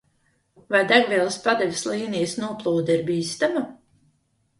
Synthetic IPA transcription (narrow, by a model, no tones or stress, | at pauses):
vajd̪aɡvʲiɛlˠspad̪ɛvʲislˠiːnijəsnuɔplˠuːd̪aiɾbiːst̪ama